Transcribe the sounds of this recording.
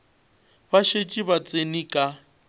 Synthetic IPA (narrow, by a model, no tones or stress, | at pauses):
baʃet͡ʃʼibat͡sʼenikʼa